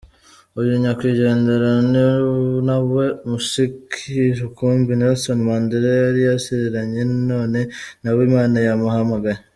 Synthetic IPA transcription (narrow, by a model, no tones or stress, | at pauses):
ujuɲakwiːɟe̞ːnde̞ɾaninaβwe̞muʃikʰiɾukuːmbinelsonimandeɾejaɾijasiɾiɾaɲe̞no̞ːne̞naβwimaːnajamuɦamaɡaɾi